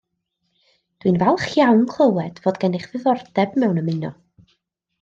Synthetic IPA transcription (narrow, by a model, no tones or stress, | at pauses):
d̥winvɛlˠχjawnkʰl̥ˠəwɛd̥voːdɡɛnɪχvɨðɔrd̥ɛbmɛwnəmɨnɔ̰